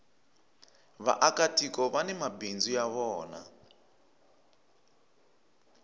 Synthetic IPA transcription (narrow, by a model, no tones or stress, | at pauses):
βa̰ʔakatikɔβanɛmabind͡zujaβɔːna̰